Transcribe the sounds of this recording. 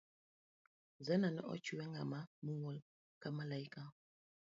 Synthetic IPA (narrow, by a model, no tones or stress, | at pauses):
zɛnanɛʔɔ̰t͡ʃuwɛŋa̰mamuŋɔl | kamalaika